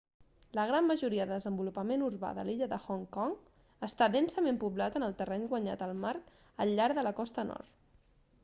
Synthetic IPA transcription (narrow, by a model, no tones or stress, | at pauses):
ləɣ̞ɾamːəʒuɾiəðəðəzəmbulupəmenuɾβa̰ðə̰liʎəðəxɔŋkɔŋ | əst̪adɛnsəmempuβlat̪ənəlˠt̪ərɛɲɡwəɲa̰t̪əlˠmaɾ | əʎːaɾðələkɔst̪ənɔ̰ɾt̪